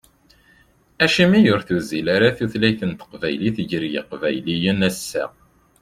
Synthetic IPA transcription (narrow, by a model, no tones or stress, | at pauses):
æʃimijʊɾθuzilaɾaθuθlæjθənt̪ə̥qvæjliθəʝəɾjə̰qvæjlijənæsːæ̰